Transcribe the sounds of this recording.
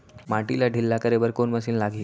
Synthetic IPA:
maʈilaɖʱilːakəɾeʋəɾkonməsiːnlaɡiː

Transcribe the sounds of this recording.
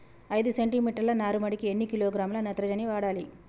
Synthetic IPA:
ɐjd̪useɳʈiːmiːʈɐɾlɐnaːɾumɐɽikienːikiloːɡɾaːmlɐnɐt̪ɾɐd͡ʒɐniʋaːɽaːli

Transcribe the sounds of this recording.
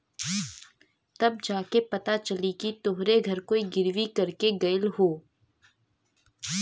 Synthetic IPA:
t̪ɐb̚d͡ʒaːkepɐt̪at͡ʃɐlikit̪oɦɾeɡʱɐɾkoːiɡɪɾʋikɐɾkeɡɐjəlɦoː

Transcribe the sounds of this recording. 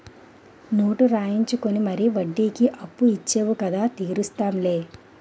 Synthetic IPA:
no̞ːʈuɾaːjiɲt͡ʃukonimɐɾiʋɐɖːiːkiʔɐpːuit͡ʃːeːʋukɐd̪aːt̪iːɾust̪aːmle̞ː

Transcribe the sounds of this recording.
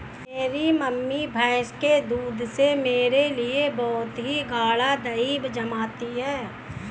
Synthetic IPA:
meːɾiməmːibʱaːʃked̪uːd̪semeːɾeliebɔːt̪ɦiɡaːɭad̪ɐiːbd͡ʒɐmaːt̪iɦɛː

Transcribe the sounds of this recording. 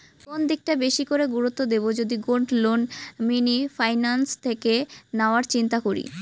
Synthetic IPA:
kond̪ik̚ʈabeʃikoɾeɡuɾut̪ːod̪ebod͡ʑod̪iɡoɳʈlonminifʰajnanst̪ʰekenaoaɾt͡ɕint̪akoɾḭ

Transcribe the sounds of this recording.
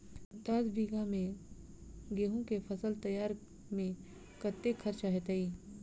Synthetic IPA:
d̪asbiːɡamẽ | ɡeːɦõkefʰɐsəlt̪ɐjaːɾ | mẽ | kət̪ːekʰɐɾt͡ʃaɦet̪eiː

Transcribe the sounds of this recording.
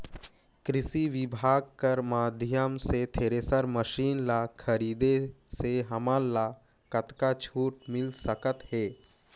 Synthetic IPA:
kɾɪsiʋɪbʱaːɡ̚kəɾmaːd̪ʱjəmset̪ʰeːɾesəɾməʃiːnlakʰəɾiːd̪eseɦɐmaːlla | kət̪kat͡ʃʰuːʈ̚mɪlsəkət̪hɛː

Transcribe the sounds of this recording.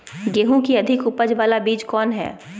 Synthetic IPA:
ɡeːɦũkiɐd̪ʱɪkʊpəd͡ʒʋaːlabiːd͡ʒkɔːnɦɛ̰ː

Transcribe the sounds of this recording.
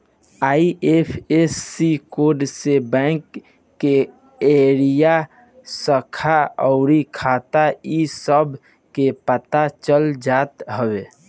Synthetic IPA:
aːiepʰesːikoːɾɖsebɛ̃ːŋkː | e | eːɾija | səkʰaɔʊɾikʰaːt̪aisəbʱ | kepət̪at͡ʃəld͡ʒaːt̪ɦəweː

